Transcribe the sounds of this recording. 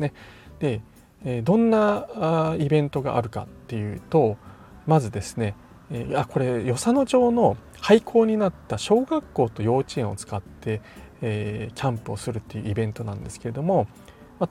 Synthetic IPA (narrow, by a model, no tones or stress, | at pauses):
ned̪̥e̞ː | d̪õ̞nːa | ibẽ̞nt̪o̞ɡa̰ʔa̰ɾɯ̟ka̰t̪ːe̞jɯ̟ːt̪o̞ | mazɨd̪e̞sɨ̥ne̞ | ako̞ɾe̞jo̞sano̞ʑo̞ːno̞ | haikʰo̞ːɲ̟inat̪ːaɕo̞ːɡakːo̞ːt̪o̞jo̞ːt͡ɕiẽɰ̃o̞̰t͡sɨ̥kat̪ːe̞ː | kʲãmpɯ̟osɨɾɯ̟t̪ːe̞jɯ̟ːibẽ̞nt̪o̞nã̰nd̪e̞sɨ̥ke̞e̞d̪o̞mo̞ | ma